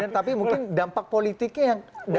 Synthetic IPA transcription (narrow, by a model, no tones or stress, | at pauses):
ant̪apimuŋkɪndampak̚polit̪ikɲajaŋd